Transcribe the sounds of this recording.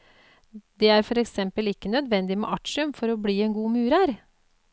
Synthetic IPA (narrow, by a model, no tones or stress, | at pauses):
d̪ɛæːɾfɔɾɛksɛmpəlɪkːənœd̪ʋɛnd̪ɪmɛ̰ʔɑʈʂʉmfɔɾɔbɽiːɛnɡuːmʉːɾæɾ